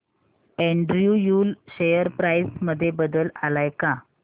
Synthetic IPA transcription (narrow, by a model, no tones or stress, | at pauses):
eɳɖɾiujuːlɕejəɾpɾajsməd̪ʱːjebəd̪əlalajka